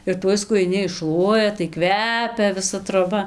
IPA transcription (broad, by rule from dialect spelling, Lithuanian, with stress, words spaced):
ɪr ˈtuɔj skʊjɪˈnʲɪ ɪʃˈʃlˠuɔjɛ tɐɪ ˈkʋʲæːpʲɛ ʋʲɪˈsɐ troːˈbɐ